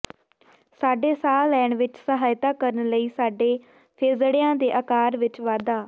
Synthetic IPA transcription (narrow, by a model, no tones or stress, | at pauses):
saːɖeːsaːlɛːɳʋɪt͡ʃsəɦaːjt̪aːkəɾənləiːsaːɖeː | pʰeːzɽɪjãːd̪eːʔəkaːɾʋɪt͡ʃʋaːd̪aː